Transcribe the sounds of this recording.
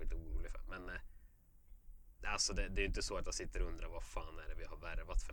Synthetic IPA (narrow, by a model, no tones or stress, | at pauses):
ɪt̪əuːɾuːlɪɡfə̰mɛn | alsɔd̪ɛd̪ɛːɾjɪnt̪əsoːat̪jasɪt̪ːəɾɔɵnd̪ɾaɾvafaːnæɖɛvɪhaɾvæɾvat̪fœ